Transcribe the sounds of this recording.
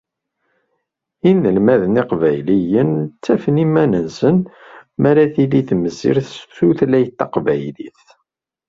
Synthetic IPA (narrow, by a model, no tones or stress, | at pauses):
inːəlmæðniqvæjlijənt͡sːæfnimænənsənmæɾæθiliθməzḭɾθuθlæjət̪ːɑqvæjlḭθ